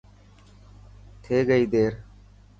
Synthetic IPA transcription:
t̪ʰeːɡəiːd̪eːɾ

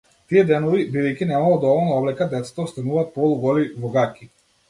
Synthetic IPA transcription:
t̪iɛd̪ɛnɔvibid̪ɛjkʲinɛmalˠɔd̪ɔvɔlˠnaɔblɛkad̪ɛt̪sḁt̪aɔst̪anuvaːt̪̚pɔlˠuɡɔlibɔɡakʲi

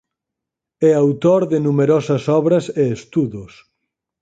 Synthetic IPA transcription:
ɛawt̪oɾðɪnumeɾɔsɐsɔβɾɐseest̪uðʊs

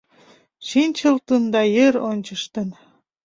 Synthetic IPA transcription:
ʃinʲt͡ɕəlt̪ənd̪ɑjeɾonʲt͡ɕə̆ʃt̪ə̆n

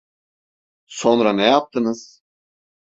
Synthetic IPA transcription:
so̞nɾanɛjap̚t̪ʰɯnɯz̥

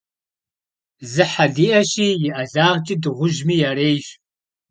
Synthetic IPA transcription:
zɨħaɮiːʔɐɕiːjɪʔɐɮaːʁt͡ʃʼidɨʁʷʊʒmiːjaɾeːjɕ

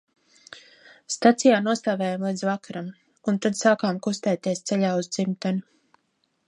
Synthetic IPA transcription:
st̪at̪sijaːnuɔst̪aːvɛːjamlˠiːd̪zvakaɾam | unt̪ad̪saːkaːmkust̪ɛːt̪iɛst̪sɛʎaːuzd̪zimt̪anu

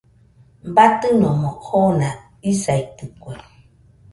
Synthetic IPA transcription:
bat̪ɨnɔmɔkʰona | isait̪ɨkwe

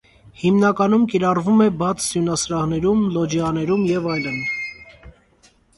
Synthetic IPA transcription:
himnɑkɑnumkiɾɑrvumɛbɑt͡sʰsjunɑsɾɑʁnɛɾumlɔd͡ʒiɑnɛɾumjɛvɑjlən

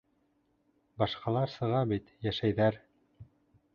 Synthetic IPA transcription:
bɑʃqɑlˠɑɾsɤ̆ʁɑbit̪jæʃæjðæɾ

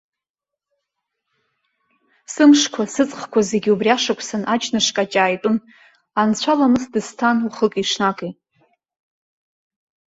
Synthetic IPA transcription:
sɨmʂkʷʰasɨt͡sʼχkʷʰazeɡʲubriaʂakʷʰʼsanʔat͡ʃʰʼnɨʂkʼat͡ʃʼaːjtʼʊn | ant͡ɕʷʰalamɨzdɨstʰanuχəkʼiʂnakʼejtʼ

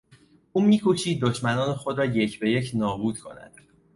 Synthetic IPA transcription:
ʔuːmiːkʰoʃiːd̪̚ːoʃmænɒːnexod̪ɾɒːje̞cʰbe̞jecʰnɒːbuːd̪̥̚kʰo̞̰næ̰d̪̥

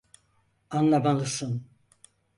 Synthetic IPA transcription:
anlˠamalˠɯsɯn

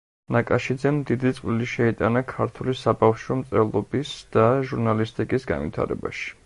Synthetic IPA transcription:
nakʼaʃid̪zɛmd̪id̪it̪sʼqʼliliʃɛit̪ʼanakʰaɾt̪ʰulisabafʃɔmt̪sʼɛlˠɔbisd̪̥aʒuɾnalist̪ʼikʼisɡa̰nvḭt̪ʰa̰ɾɛ̰ba̰ʃi̥

